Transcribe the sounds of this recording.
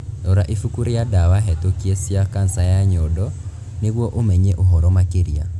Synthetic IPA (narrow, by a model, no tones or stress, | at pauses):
doɾaʔifukuɾijadawaɦɛtokiesiakansajaɲodɔ | neɣwɔʔomɛɲeʔoɦɔɾɔmakeɾia̰